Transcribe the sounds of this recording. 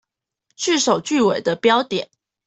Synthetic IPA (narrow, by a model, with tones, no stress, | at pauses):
t͡ɕʰy˥˩ʂo˨˩ʊt͡ɕy˥˩we˨˩ɪd̪ə˦pjɑ˥ʊt̪jɛ˨˩˦n